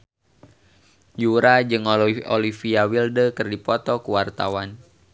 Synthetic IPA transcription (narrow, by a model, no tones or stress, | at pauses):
d͡ʒuɾad͡ʒɨŋɔlifiawildəkɨrdipɔt̪ɔkuwart̪a̰wan